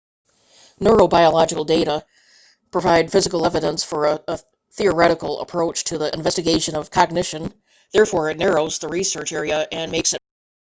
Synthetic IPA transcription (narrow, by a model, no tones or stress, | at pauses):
nɜ˞oʊbaɪəlɑd͡ʒɨkl̩ˠdeɪɾə | pʰɹ̥ɨvaɪdfɪzɨkl̩ˠɛvɨɾə̃nsfə˞əə | θiə˞ɛɾɨkl̩ˠə̰pʰɹ̥oʊt͡ʃtʰɨðiʔɨ̰̃ɱvɛstɨɡeɪʃɨ̃nʌv̥kʰɑɡ̚nɪʃɨ̃n | ðɛɹfɔɹɨtⁿnɛɹoʊzðəɹisɜ˞t͡ʃɛɹiɨʔɨ̃nmeɪksɨt̚